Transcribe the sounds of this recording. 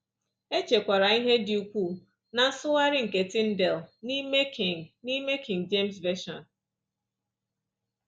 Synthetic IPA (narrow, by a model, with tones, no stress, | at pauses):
e˦t͡ʃe˨kʷa˨ɾa˨i˦ɦe˦di˨u˨kʷu˦˨ | na˨n̩˦sʊ˦wa˦ɾɪ˦ŋ̩˨ke˨tɪ˦n̩˦dɛ˨lni˦me˦kʰɪ˨ŋni˦me˦kʰɪ˨ŋd͡ʒe˦˨msve˦ʃɔ˨n